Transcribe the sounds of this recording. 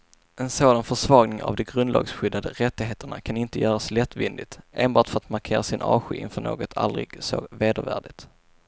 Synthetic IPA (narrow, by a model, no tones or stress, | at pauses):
ɛnsoːd̪anfœʂvɑːɡnɪŋa̰vd̪ɛɡɾɵnd̪lɑ̰ːɡsɧʏd̪ːad̪əɾɛt̪ːɪɡɦeːt̪əɳa̰kʰanɪnt̪əjœːɾaslɛt̪ːvɪnd̪ɪt̪ʔeːnbɑːʈfœɾat̪maɾkʰeːɾasɪnʔɑːɧʏʔɪ̰nfœɳo̰ːɡɔt̪ʰa̰ld̪ɾɪ̰ɡ̥so̰veːd̪ə̰ɾvæ̰ːɖɪt̪